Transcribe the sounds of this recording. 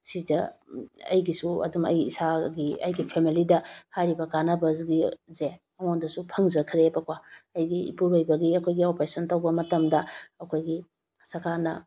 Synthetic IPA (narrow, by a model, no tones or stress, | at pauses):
sidɐɐ̰jɡisuɐ̰dumɐ̰j̰ːsaɡiɐ̰jɡipʰemilidɐhajɾibɐkanɐbɐzɡizemɐŋondɐsupʰɐŋzɐkʰɾebɐkwaɐjɡḭːpuɾojbɐɡiɐkʰojɡiopɾesɐntɐwbɐmɐtɐmdɐɐkʰojɡi | sɐɾkanɐ̰